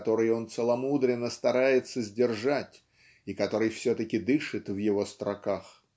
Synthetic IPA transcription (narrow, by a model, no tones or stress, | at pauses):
t̪o̞ɾɨjo̞nt̪səlˠɐmud̪ɾʲɪnːəst̪ɐɾajɪt̪səzʲdʲɪrʐatʲ | ikɐt̪o̞ɾɨjfsʲɵt̪əkʲɪd̪ɨʂɨt̪vjɪvo̞st̪ɾɐkax